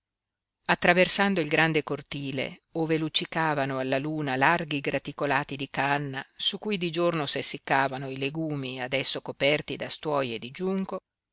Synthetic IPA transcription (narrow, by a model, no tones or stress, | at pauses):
at̪ːɾaversand̪oilɡɾand̪ekort̪iːlḛoːvelut͡ʃːikaːvanoalːaluːnalarɡiɡɾat̪ikolaːt̪id̪ikanːasukːujd̪id͡ʒornosesːikːaːvanoileɡuːmiad̪ɛsːokopɛrt̪id̪ast̪wɔjed̪id͡ʒuŋko